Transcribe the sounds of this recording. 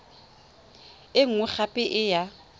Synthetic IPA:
ɪŋ̩ʊk͡xʰapʼɪʔɪja

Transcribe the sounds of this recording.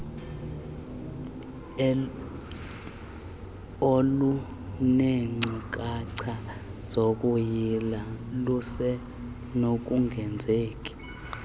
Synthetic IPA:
olu | neŋ͡ǀʱik̬ʼaǀʰaz̥okʼujilalusɛ | nok̬ʼuŋɡʱɛnd͡zʱeːkʼi̥

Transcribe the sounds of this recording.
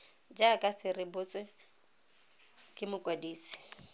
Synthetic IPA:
d͡ʒakʼasɪrɪbʊt͡sʼwɛ | kʼɪmʊkʼwadiːsɪ̥

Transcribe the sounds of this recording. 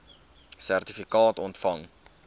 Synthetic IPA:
særtifikɑːtɔntfɐŋ

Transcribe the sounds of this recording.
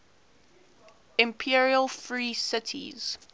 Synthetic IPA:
ɪ̃mpʰiɹiəlˠfɹiːsɪtʰḭz̥

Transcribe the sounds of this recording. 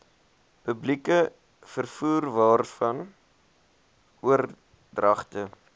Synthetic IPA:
pəblikə | fərfuːrvɑːrfɐn | uər | drɐχtə

